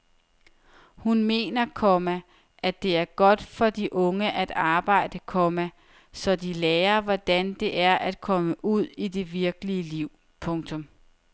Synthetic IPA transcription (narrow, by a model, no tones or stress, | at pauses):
hunme̝̰ːnɐkʰɒmæ | ʔæ̥e̝æɐɡ̥ɒ̽d̥fɒ̽d̥iʔɔ̽ŋəʔæd̥ɑ̈ːb̥ɑ̈ɪ̰d̥əkʰɔmæ | sɒ̽d̥ilɛːɐʋɒd̥ænd̥e̝ʔæɐʔæd̥̚kʰɒ̽məʔuð̰ˠid̥e̝ʋiɐɡ̥əliəliʊ̰ | pʰɔ̽ŋt͡sʰɔ̽m